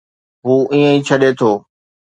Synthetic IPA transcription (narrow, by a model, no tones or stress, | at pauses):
ɦuːʔĩːə̃ĩːt͡ɕʰɐɗet̪ʰoː